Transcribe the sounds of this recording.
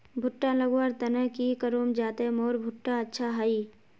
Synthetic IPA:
bʱʊʈːãləɡwaːɾt̪ɐnəkikəɾuːmd͡ʒaːt̪emoːɾbʱʊʈːaətːʃʰaɦaiː

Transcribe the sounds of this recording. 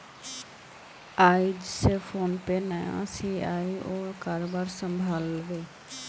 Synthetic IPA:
aːid͡ʒsepʰoːnpenəjã̰siːaːiʔoːkaɾbaɾsəmbʱaːlʋeː

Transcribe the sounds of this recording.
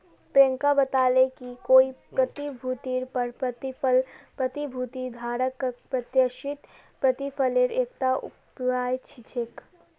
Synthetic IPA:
pẽːŋkabət̪aːlekikoːipɾɐt̪ibʱuːt̪iːɾpəɾlpɾət̪ibʱuːt̪id̪ʱaːɾəkːəpɾɐt̪jəʃɪt̪ | pɾət̪ifʰəleɾeːkt̪aʊ̰paːjt͡ʃʰit͡ʃʰek

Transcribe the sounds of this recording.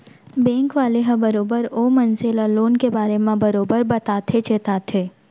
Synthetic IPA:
bɛ̃ːŋkʋaːleɦɐ̃bɐɾoːbəɾoːmənselaloːnkebaːɾemãbɐɾoːbəɾbɐt̪aːt̪ʰet͡ʃeːt̪aːt̪ʰeː

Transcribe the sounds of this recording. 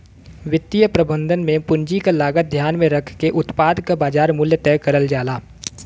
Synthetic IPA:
ʋɪt̪ːijəpɾɐbə̃nd̪ʱənmẽpʊɲd͡ʒikalaːɡət̪̚d̪ʱjaːnmẽɾɐkʰkeʔʊt̪paːd̪kabaːd͡ʒaːɾmʊljət̪ɛːkɐɾəld͡ʒaːlaː

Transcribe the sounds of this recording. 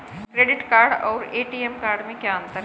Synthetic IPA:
kɾeɖɪʈkaːɾɖɔ̰ːɾeːʈiːemkaːɾɖmẽkjaə̃nt̪əɾ

